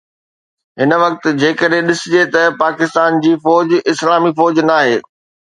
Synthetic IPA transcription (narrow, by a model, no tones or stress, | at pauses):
ɦɪnʋɐk̚t̪ɪ̆d͡ʑeːkəɗɦẽɗɪsɪd͡ʑet̪ɐpaːkɪst̪aːnd͡ʑiːfɔːd͡ʑɪslaːmifɔːd͡ʑnaːɦeː